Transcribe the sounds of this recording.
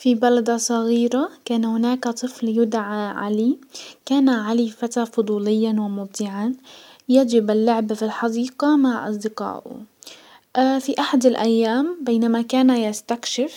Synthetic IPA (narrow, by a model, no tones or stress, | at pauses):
fibalad̪asˤɑɣiːɾakaːnhʊnaːkat̪ˤɨfljʊd̪ʕaʕa̰likaːnaʕalifat̪aːfʊd̪ˤuːlɪjːanwɪmʊb̚d̪ɪʕan | jad͡ʒɪbɪlːʊʕbfilħɑd̪iːqɑmaʕʔɑ̰sˤd̪ɪqɑ̰ːʔʊ̰ | ʔfiʔaħad̪ɪlʔajːaːmbeːnamakaːnajast̪akʃɪf